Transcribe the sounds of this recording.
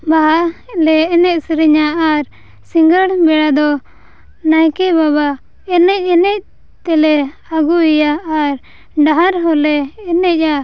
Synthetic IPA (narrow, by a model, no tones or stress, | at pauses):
baɦalɛɛnɛc̚səɾiɲaaɾ | siŋɡəɽbɛɽad̪ɔ | najkɛbaβa | ɛnɛc̚ˀɛnɛc̚ | t̪ɛlɛ | aɡuijaːɾ | ɖaɦaɾɦɔlɛːnɛc̚ˀa